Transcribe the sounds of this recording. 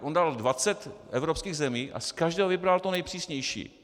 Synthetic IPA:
ʔondaldvat͡sɛt̪ʔɛvɾopskiːɣzɛmiːʔa̰skaʒdɛːɦovɪbɾalt̪onɛjpr̥iːsɲɛjʃḭː

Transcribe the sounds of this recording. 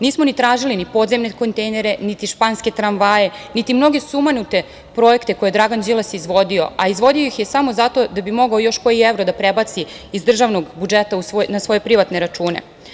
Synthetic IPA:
niːsmo̞nit̪ɾaːʒilinipo̞d̪zemneko̞nt̪ejneɾe̞nit̪iʃpanske̞t̪ɾanʋaje̞nit̪imno̞ɡe̞sumanut̪e̞ | pɾo̞e̞kt̪e̞ko̞jed̪ɾaɡand͡ʑilˠasjizʋo̞d̪io̞̰aizʋo̞d̪iojixjesamo̞zat̪o̞d̪abimo̞ɡaojo̞ʃko̞ievɾod̪apɾebat̪siː | zd̪r̩ʒaʋno̞ɡbud͡ʒet̪ausʋonasʋo̞je̞pɾiʋat̪neɾat͡ʃuːnḛ

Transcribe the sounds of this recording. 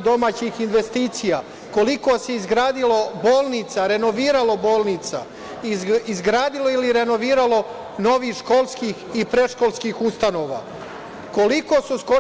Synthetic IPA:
d̪o̞maːt͡ɕixinʋe̞st̪iːt̪sijaː | ko̞likoːse̞izɡɾaːd̪ilo̞boːlˠnit̪saɾe̞no̞ʋiːɾalo̞bo̞ːlnit̪sa̰ | iizɡɾaːd̪ilo̞iliɾe̞no̞ʋiːɾalo̞ | no̞ʋiːxʃko̞lˠskixipɾe̞ʃko̞lˠskiːxust̪ano̞ːʋa̰ː | ko̞liko̞susko

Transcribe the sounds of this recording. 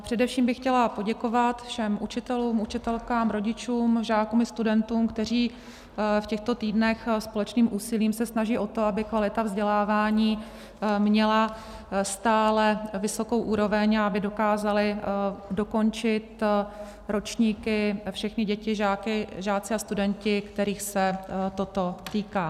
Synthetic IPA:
pr̥ɛdɛfʃiːmbɪxcɛlapo̞ɟɛko̞vat̪fʃɛmʔut͡ʃɪt̪ɛluːmʔut͡ʃɪt̪ɛlkaːmɾo̞ɟɪt͡ʃuːmʒaːkuːmɪst̪udɛnt̪uːmkt̪ɛr̝iː | fcɛxt̪o̞t̪iːdnɛxspo̞lɛt͡ʃniːmʔuːsɪliːmsɛsnaʒiːʔo̞t̪o̞abɪkvalɪt̪avzɟɛlaːvaːɲiː | mɲɛla | st̪aːlɛvɪso̞ko̞wʔuːɾo̞vɛɲaabɪdo̞kaːzalɪdo̞ko̞nt͡ʃɪt̪ | ɾo̞t͡ʃɲiːkɪfʃɛxnɪɟɛcɪʒaːkɪʒaːt͡sɪast̪udɛncɪkt̪ɛɾiːxsɛt̪o̞t̪o̞t̪iːkaː

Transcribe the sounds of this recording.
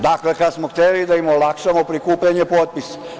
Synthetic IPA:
d̪aklekad̪smoxt̪elid̪aimolakʃamopɾikuːpʎaɲepot̪̚pisḁ

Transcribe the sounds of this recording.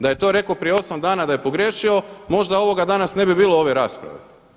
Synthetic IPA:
d̪aje̞t̪o̞ːɾe̞kopɾijeo̞samd̪aːnad̪aje̞po̞ɡɾjeʃio̞mo̞ʒd̪ao̞ʋo̞ɡad̪anasne̞bibiːlˠoo̞ʋe̞ɾaːspɾa̰ʋḛ

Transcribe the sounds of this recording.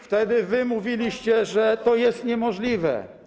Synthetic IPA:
ft̪ɛd̪ɘvɘmuvʲilʲiɕt͡ɕɛʐɛt̪ɔjɛst̪ɲɛmɔʐlʲivɛ̰

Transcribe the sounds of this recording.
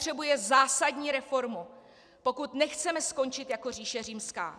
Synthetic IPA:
r̥ɛbujɛzaːsadɲiːɾɛfo̞ɾmu | po̞kut̪nɛxt͡sɛmɛsko̞nt͡ʃɪt̪jako̞riːʃɛriːmska̰ː

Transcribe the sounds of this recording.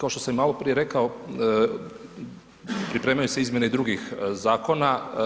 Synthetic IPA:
kao̞ʃt̪osammaːlˠo̞pɾije̞ɾe̞kao | pɾipɾeːmajuse̞izmje̞neid̪ɾuɡixzaːko̞na

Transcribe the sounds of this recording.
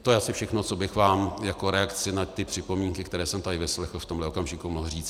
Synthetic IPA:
t̪ojɛʔasɪfʃɛxno̞t͡so̞bɪxvaːmjako̞ɾɛakt͡sɪnat̪ːɪpr̝̥ɪpo̞miːŋkɪkt̪ɛɾɛːsɛmt̪adɪvɪslɛxl̩ft̪omlɛo̞kamʒɪkumoɦriːt͡s

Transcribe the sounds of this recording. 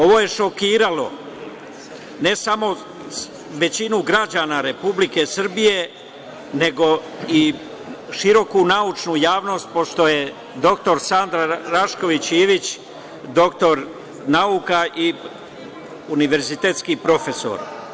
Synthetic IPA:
o̞ʋo̞ːje̞ʃo̞kiːɾalo̞ | ne̞samo̞ | ʋe̞t͡ɕinuɡɾad͡ʑaːnaɾe̞publike̞sr̩bije̞ | ne̞ɡo̞ | i | ʃiɾo̞kunaut͡ʃnujaːʋno̞st̪̚poʃt̪o̞je̞ | d̪o̞kt̪o̞ɾsand̪ɾaɾaʃko̞ʋit͡ɕiʋit͡ɕ | d̪o̞kt̪o̞ɾ | naukaʔi | uniʋe̞ɾzit̪e̞ːt̪skiːpɾo̞fe̞so̰ɾ

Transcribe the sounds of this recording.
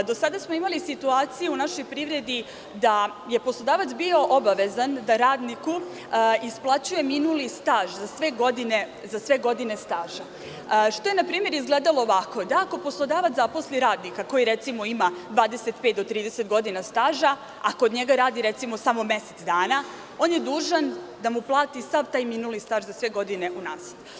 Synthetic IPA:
d̪o̞sad̪asmo̞imalisit̪uaːt̪sijuunaʃo̞jpɾiʋɾe̞d̪i | d̪a | je̞poslˠo̞d̪aːʋat̪sbio̞ʔobaʋe̞zand̪aɾaːd̪niku | isplˠat͡ɕuje̞minulist̪aːʒzasʋeɡo̞d̪ine̞ | zasʋe̞ɡo̞d̪ine̞st̪aːʒa | ʃt̪ojenapɾiːmje̞ɾizɡleːd̪alˠo̞ːʋako̞d̪aako̞po̞slˠo̞d̪aːʋat̪zapo̞sliɾaːd̪nikako̞jiɾet̪simo̞imad̪ʋaːd̪e̞set̪pet̪d̪ot̪ɾiːd̪ese̞t̪ɡo̞d̪inast̪aːʒa | akood̪ɲe̞ɡaɾaːd̪iɾet̪simo̞samo̞me̞set̪d̪aːna | o̞ːnje̞d̪uːʒand̪amuplˠaːt̪isaʋt̪aːjminulist̪aːʒzasʋe̞ɡo̞d̪ine̞ʔunaːs

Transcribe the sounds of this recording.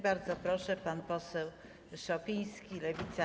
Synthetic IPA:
baɾd̪zɔpɾɔʂɛpanpɔsɛw | ʂɔpʲijskʲilɛvʲit̪sa

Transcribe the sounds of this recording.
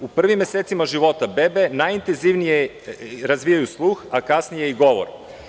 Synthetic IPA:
upr̩ʋimːeset̪simaʒiʋot̪abɛbenajint̪enziʋnije | ɾazʋijajuslˠuxakasnijeiɡoʋo̰ɾ

